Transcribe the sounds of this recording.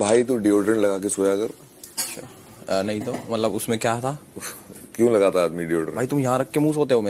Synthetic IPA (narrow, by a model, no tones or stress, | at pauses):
bʱaːit̪uɖioːʈɾəɳlɐɡaːkesoːjakɐɾ | ɐtːʃʰa̰ | nɐɦĩt̪omɐt̪ləbʊsmẽkjaːt̪ʰaː | kjõlɐɡat̪aaːd̪miɖioːʈə̰̃baːit̪ʊmjɐɦãɾɐk̚ʰːemũːsɦoːt̪eɦomeː